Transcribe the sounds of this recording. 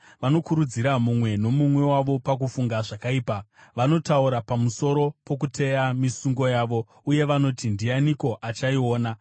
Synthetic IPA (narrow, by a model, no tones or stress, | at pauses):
ʋano̞kuɾud͡ziɾamumwe̞no̞mumwe̞waʋo̞pak̬ufuŋɡaʐakaiːpaʋano̞tauɾapamuso̞ɾo̞po̞k̬ute̞jamisuŋɡo̞jaːʋo̞ | uje̞ʋano̞tindijaniko̞ʔat͡ʃaio̞ːna